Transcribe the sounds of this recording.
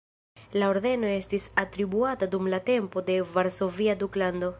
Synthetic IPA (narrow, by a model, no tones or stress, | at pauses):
lao̞ɾðe̞no̞e̞stisatɾibuatadumlate̞mpo̞de̞vaɾso̞viaduklando̞